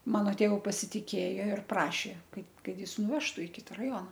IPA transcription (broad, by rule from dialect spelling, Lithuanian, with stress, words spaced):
ˈmɑːnoː ˈtʲeːʋʊ pɐsʲɪtʲɪˈkʲeːjoː ɪr ˈprɑːʃʲeː ˈkɐt ˈkɐt ˈjɪs nʊˈʋʲæːʃtʊ ɪ ˈkʲɪtɐ rɐˈjoːnɐ